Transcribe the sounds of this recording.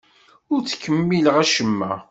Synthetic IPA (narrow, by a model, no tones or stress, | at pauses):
ʊɾt͡sːkːəmːiləʁæʃəmːæ